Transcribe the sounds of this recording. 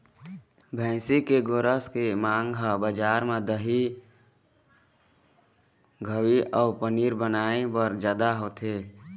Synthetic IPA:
bʱɛ̃ːsikeɡoːɾəskemãːŋɡabəd͡ʒaːɾmẽd̪əɦi | ɡʱəwiʔɔːpəniːɾbənaːebəɾd͡ʒjaːd̪aɦoːt̪ʰeː

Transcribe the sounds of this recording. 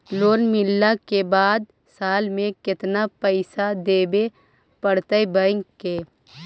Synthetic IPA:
loːnmɪlːakebaːd̪ | saːlmẽkɪt̪napəɪsad̪eːbe | pəɽt̪əebəɪ̃ŋkeː

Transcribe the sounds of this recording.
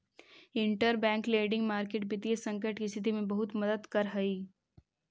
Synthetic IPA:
ɪ̃ɳʈəɾbɛ̃ːŋkleːɖɪ̃ŋɡmaːɾkeːʈ̚bɪt̪iesɐ̃ŋkəʈkist̪ʰɪt̪̬imẽbɐɦʊt̪mɐd̪əd̪kɐɾɦɐiː

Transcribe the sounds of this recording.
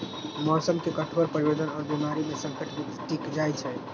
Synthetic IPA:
mɔsəmkekəʈʰoɾpəɾibod̪ənɔːɾbimaɾimesə̃ŋkəʈbi | ʈikd͡ʒajt͡ʃʰɛ

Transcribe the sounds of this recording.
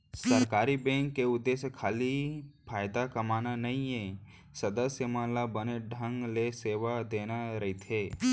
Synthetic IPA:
sɐɾkaːɾibɛ̃ːŋkːeʊd̪ːeːsjəkʰaːlipʰaːjd̪akɐmaːnanɐɦĩẽ | sɐd̪əsjəmãlabəneɖʱə̃ŋɡleseːʋad̪eːnaɾɐɦit̪ʰeː

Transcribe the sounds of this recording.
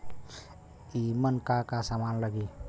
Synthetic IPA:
imənkakasamanləɡi

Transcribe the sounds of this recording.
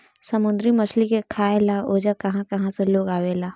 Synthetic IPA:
sɐmʊ̃nd̪ɾimɐsʰlikekʰaːelaoːd͡ʒakɐɦãkɐɦãseloːɡaːʋelaː

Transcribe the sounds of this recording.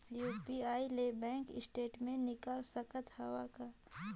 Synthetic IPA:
juːpiaːilebɛ̃ːŋkɪ̰sʈeːʈmẽnɪkaːlsəkət̪həʋaka

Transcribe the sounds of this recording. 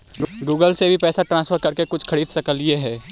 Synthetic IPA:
ɡuːɡəlsebʱipɛːsaʈɾãːnsfʰəɾkɐɾkekʊt͡ʃʰkʰɐɾiːd̪sɐkəlieɦɛː

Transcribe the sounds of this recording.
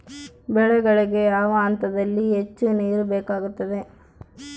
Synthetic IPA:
bɛɭɛɡɐɭiɡe̞jaːʋɐːnt̪ɐd̪ɐlːiɦet͡ʃːuniːɾubeːkaːɡut̪ːɐd̪e̞

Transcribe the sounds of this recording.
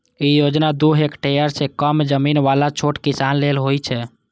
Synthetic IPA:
ijod͡ʒnad̪uɦekʈejəɾsẽkəmd͡ʒəminʋalat͡ʃʰoʈkisanlelɦojt͡ʃʰɛ

